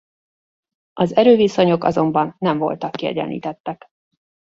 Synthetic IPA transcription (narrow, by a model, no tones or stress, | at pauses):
ʔɒzɛɾøːviso̞ɲo̞kɒ̰zo̞mbɒnːɛɱvo̞̰lt̪ɒkːiɛ̰ɟɛ̰nlḭːt̪ɛt̪ːɛk